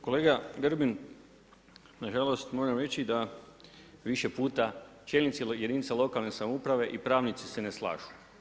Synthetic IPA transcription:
ko̞le̞ːɡaɡr̩bin | naʒalˠo̞st̪mo̞ʒemɾe̞t͡ɕid̪a | ʋiʃe̞puːt̪a | t͡ʃjeːlnit̪sije̞d̪iːnit̪salˠo̞kalˠnesamoupɾaʋe̞ʔipɾaːʋnit̪si̥se̞neslˠa̰ːʒu̥

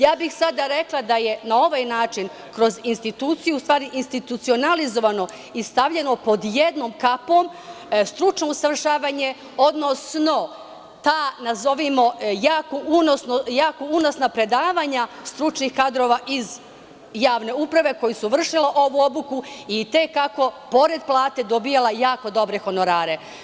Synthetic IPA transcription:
jaːbixsad̪aɾe̞klˠad̪aje̞nao̞ʋaːjnaːt͡ʃin | kɾo̞zinst̪it̪uːt̪sijust̪ʋaːɾiʔinst̪it̪ut̪sio̞nalizo̞ʋano̞ | ist̪aʋʎe̞no̞po̞d̪je̞d̪no̞ːmkapo̞m | st̪ɾut͡ʃno̞usaʋr̩ʃaːʋaːɲe̞ | o̞d̪nosno̞ | t̪aːnazo̞ʋimo̞jaːkoʔunosnojaːkouno̞snapɾe̞d̪aːʋaːɲast̪ɾut͡ʃnixkad̪ɾo̞ːʋaʔiz | jaːʋne̞upɾaʋe̞ko̞jusuʋr̩ʃilaʔo̞ʋuo̞bukuit̪ekako̞po̞ɾe̞d̪plˠaːt̪e̞d̪o̞bijalˠajaːko̞d̪o̞bɾe̞xo̞no̞ɾaːɾe̞

